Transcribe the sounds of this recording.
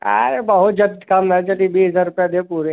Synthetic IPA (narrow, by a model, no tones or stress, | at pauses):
a̰ɾebɐɦʊt̪̚d͡ʒɐd̪kamnad͡ʒəlibiːsɐzaːɾɾʊpjad̪epuːɾe